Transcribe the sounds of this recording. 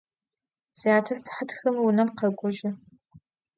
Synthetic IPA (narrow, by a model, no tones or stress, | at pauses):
z̥ijaːtʰɐsɨ̥ħatxɐmwʊnɐmqɐɡʷʼʊʒɪ